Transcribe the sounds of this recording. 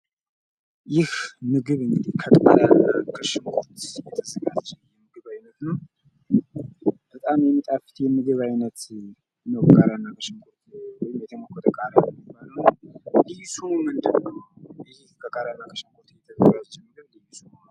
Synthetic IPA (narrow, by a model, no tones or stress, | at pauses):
jɪhmɨɡɨβɨŋɡɨd̪ihkʰət̪ʼaɾaakʰəʃɪmkʰot̪jɛt̪ʰəzəɡat͡ʃːt͡ʃjɛmɨɡɨβajnət̪nəw | b̥ət̪ʼamjɛmːit̪ʼafɨ̥t̪jɛmɨɡɨβajnət̪ | nəwbəɡaɾanːakʰəʃɪmkʰot̪wɔjɪmjɛt̪ʰəmokʰːɔt̪ʰəkʼaɾamibaləwlijsummɨnd̪ɨnːəw | ɪhkʰəɡʼaɾanːakʰəʃɪmkʰot̪jɛt̪ʰəzəɡad͡ʒt͡ʃːɛmːɨɡɨβlijsunn